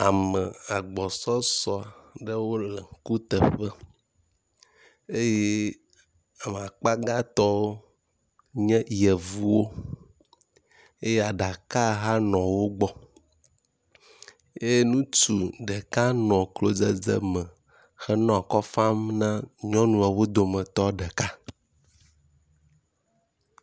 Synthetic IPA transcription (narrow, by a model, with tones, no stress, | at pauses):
a˨mə˨a˨ɡ͡bɔ˨sɔ˦sɔ˨a˨ɖə˦wo˦lɛ˨˦ku˦t̪ə˨ɸə˦ | e˦je˦ | a˨me˨a˨k͡pa˦ɡa˦t̪ɔ˦wo˦ | ɲɛ̃˦jɛ˨vu˦wo˦ | e˦je˦a˨ɖa˨ka˦ɦa˦nɔ̃˨wo˦ɡ͡bɔ˦ | je˦nũ˦t͡ʃu˨ɖɛ˨ka˦nɔ̃˨klo˦d͡zɛ˦d͡zɛ̰˦mɛ̃˨ | xɛ˦nɔ̃˦a˨kɔ˦fã˦mnã˦ɲɔ̃˦nũ˦a˨wo˦d̪o˨mɛ̃˨t̪ɔ˦ɖɛ˨ka˦